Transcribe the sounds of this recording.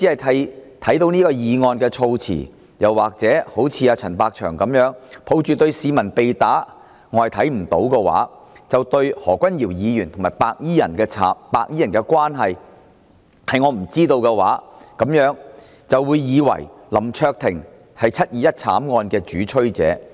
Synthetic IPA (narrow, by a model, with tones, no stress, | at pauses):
t͡siː˨˥hɐ˨˩jt̪ʰɐ˨˥jt̪ʰɐ˨˥jt̪o˨˥wniː˥kɔː˧jiː˨˧ŋɔː˧nkɛː˧t͡ʃʰo˧wt͡sʰḭ˨˩ | jɐ˨˩waː˨˩k̚t͡sɛː˨˥ho˨˥wt͡sʰiː˧aː˧t͡sʰɐ˨˩npaː˧k̚t͡ʃʰœ̰ː˨˩ŋkɐ˨˧˥mjœː˨˥ŋpʰo˨˥wt͡ʃyː˨t̪ɵ˧ɥsiː˨˧mɐ˨˩npe˨jt̪aː˨˥ | ŋɔː˨˧jt̪ʰɐ˨˥jm̩˨˩t̪o˨˥wkɛ˧wa̰ː˨˥ | t͡sɐ˨wt̪ɵ˧ɥhɔː˨˩kʷɐ˥njiː˨˩wjiː˨˧jyː˨˩nt̪ʰʊ˨˩ŋmaː˨˩jpaː˧k̚jiː˥jɐ˨˩nkɛ˧t͡sʰaː˨˥paː˧k̚jiː˥jɐ˨˩nkɛː˧kʷwaː˥nɦɐ˨j | hɐ˨jŋɔː˨˧m̩˨˩t͡siː˥t̪o˧wkɛ˧wa̰ː˨˥kɐ˨˥mjœː˨˥ŋ | t͡sɐ˨wːuː˨˧jːiː˨˧wɐ̰˨˩jlɐ˨˩mt͡ʃʰœː˧k̚t̪ʰɪ˨˩ŋ | hɐ˨jt͡sʰɐ˥t̚jiː˨˥jɐ˥t̚t͡sʰa̰ː˨˥mŋɔː˧nkɛː˧t͡ʃyː˨˥t͡ʃʰɵ˥ɥt͡sɛ̰ː˨˥